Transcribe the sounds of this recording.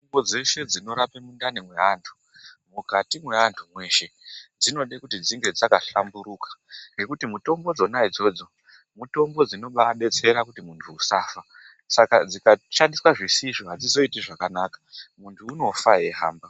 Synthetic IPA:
ombod͡ze̞se̞d͡zino̞ɾapemundanimwe̞ɦantʰu̥ | mukatimwe̞ɦantʰumwe̞ʃe̞d͡zino̞ɗekutid͡ziŋɡe̞d͡zakaɬambuɾukḁŋɡe̞kutimuto̞mbo̞d͡zo̞naid͡zo̞d͡zo̞ | muto̞mbo̞d͡zino̞ɓaɗe̞t͡se̞ɾakutimuntʰuːsaːfa | sakad͡zikaʃandiswaʐisiʐoɦad͡zizo̞itiʐakanaːkḁmuntʰuːno̞faɦe̞ɦa̰ːmba

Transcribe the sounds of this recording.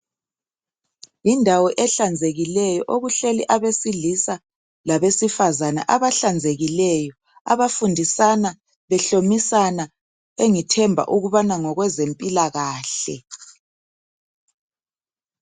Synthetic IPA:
indʱawɔʔɛɬand͡zʱeɣilɛjɔʔoɣuɬeliʔaβesilisa | laβesifazana̰ʔaβaɬand͡zʱeɣilɛjɔ | a̰βafundʱisana | βɛɬomisana | eŋitʰɛmbʱa̰ʔuɣuβanaŋɔɣwɛzempʼilaɣaːɬɛ̰

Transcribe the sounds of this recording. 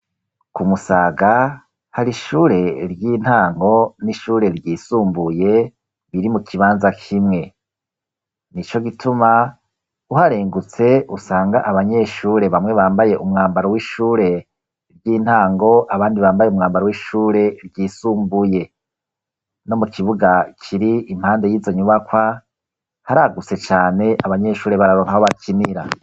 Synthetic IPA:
kumusaːɡa | haɾiʃuːɾe̞ɾɟiːn̥haːŋɡo̞niʃuːɾe̞ɾɟiːsuːmbuje̞ | βiɾimukʰiβaːnzakʰimŋe̞ | nit͡ʃo̞ɡitʰuma | uhaɾeːŋɡut͡se̞ʔusaːŋɡaʔaβaɲe̞ːʃuːɾe̞βamŋwe̞βaːmbaje̞ʔumŋaːmbaɾowiːʃuːɾe̞ | ɾɟiːn̥haːŋɡo̞ʔaβaːndiβaːmbajeumŋaːmbaɾowiːʃuːɾe̞ɾɟiːsuːmbuje̞ | no̞mukʰiβuɡakʰiɾiim̥haːnde̞jiːzo̞ɲuβakwa | haɾaɡut͡se̞t͡ʃaːne̞aβaɲe̞ʃuːɾe̞βaɾaɾoːŋhaho̞βakʰiniɾa̰

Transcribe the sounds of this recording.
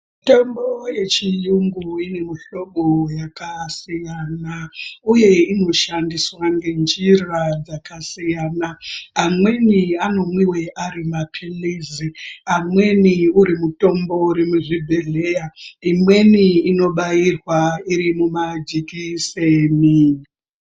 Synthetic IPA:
muto̞mboje̞t͡ʃijuŋɡuine̞muɬo̞ɓojakasijanauje̞ino̞ʃandiswaŋɡe̞nd͡ʒirad͡zakasijaːnaamwe̞niano̞mwiwe̞ʔaɾimapʰiliziamwe̞niuɾimuto̞mbo̞uɾimuʐibʱeɮe̞jaimwe̞niːno̞ɓairwaiɾimumad͡ʒikisemiːni

